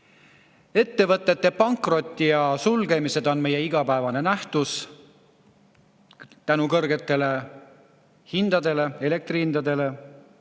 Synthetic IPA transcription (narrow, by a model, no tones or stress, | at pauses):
e̞t̪ːe̞vɤt̪ːˑe̞t̪ːe̞pɑŋkˑro̞t̪ʲːˑijɑsulɡ̥e̞mise̞d̪̥o̞nme̞je̞iɡ̥ɑpæevɑne̞næht̪us | t̪ænukɤrɡe̞t̪ːe̞le̞ | hind̪ɑd̪e̞le̞ele̞k̚t̪rihind̪̥ɑd̪e̞le̞